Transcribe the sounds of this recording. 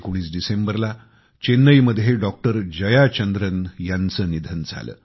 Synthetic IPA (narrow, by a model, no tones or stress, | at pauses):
kuɽ̃iːt͡sɖisembəɾla | t͡ɕenːəjməd̪ʱjeɖɔk̚ʈəɾd͡ʑəjat͡ɕənd̪ɾənjant͡səːnid̪ʱənd͡zʱa̰lə̰ː